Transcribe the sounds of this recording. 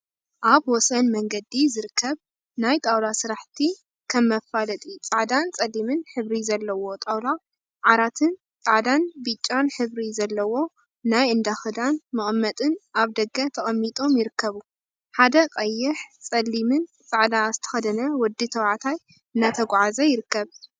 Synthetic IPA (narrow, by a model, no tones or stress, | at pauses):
ʔaβwɔsɐnmɐŋɡɐd̪izɨɾɨkʰːɐβ | najt̪ʼawlasɨɾaħt̪ʰi | kʰɐmːɐfalɐt̪ʼit͡sʼaʕd̪ant͡sʼɐlːimɨnħɨβɾizɐlːɐwo̞t̪ʼawla | ʕaɾat̪ʰɨn | t͡sʼaʕd̪anbɨt͡ʃʼːanħɨβɾizɐlːɐwo̞ | najɨnd̪axɨd̪anmɨχʼmːɐt̪ʼɨnaβd̪ɐɡɐt̪ʰɐχʼɐmːit̪ʼo̞mjɪɾɨkʰːɐβu | ħad̪ɐqʼɐjːɪħt͡sʼɐlːimɨn | t͡sʼaʕd̪azɨt̪ʰɐ̥xɐd̪ɐnɐwɔd̪ːit̪ʰɐwʕat̪ʰaj | ɨnːat̪ʰɐɡʷʕazɐjɪɾɨkːɐβ